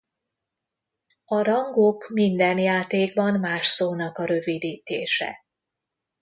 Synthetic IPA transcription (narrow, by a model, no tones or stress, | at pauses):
ɒɾɒŋɡokmind̪ɛnjaːt̪eːɡbɒnmaːʃsoːnɒkɒɾø̞vid̪iːt̪eːʃɛ̰